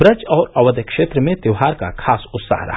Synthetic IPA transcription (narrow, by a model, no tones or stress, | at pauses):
ɾət͡ʃɔːɾɐʋəd̪əkʃeːt̪ɾəmẽt̪jəʋɦaːɾka̰kʰaːsʊt̪sa̰ːɦɾɐ̰